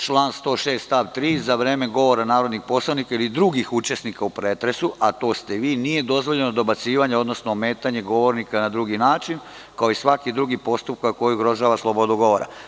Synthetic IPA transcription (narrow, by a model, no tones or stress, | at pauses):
t͡ʃlˠaːnst̪o̞ːʃe̞ːst̪t̪aʋt̪ɾiːzaʋɾe̞ːme̞ɡo̞ʋo̞ɾanaːɾo̞d̪nixpo̞slˠanikailid̪ɾuɡixut͡ʃe̞snikaupɾeːt̪ɾe̞suʔat̪o̞ːst̪eʋiːnije̞d̪o̞zʋo̞ʎenod̪o̞bat̪siːʋaɲeo̞d̪nosnoːme̞ːt̪aɲe̞ɡo̞ʋo̞ɾnikanad̪ɾuɡinaːt͡ʃin | kao̞isʋakid̪ɾuɡipo̞st̪up̚kako̞jiuɡɾo̞ʒaːʋaslˠobo̞d̪uɡo̞ʋo̞ɾa̰